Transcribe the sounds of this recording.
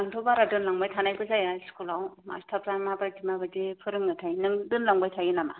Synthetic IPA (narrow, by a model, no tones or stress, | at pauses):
aŋtʰobaɾadɯnlaŋbajtʰanajpʰɯzajaskulawma̰stʰapzamabɾadimabadepʰɯɾɯŋːɯtʰajnɯŋdɯnlaŋbajtʰajɯnama̰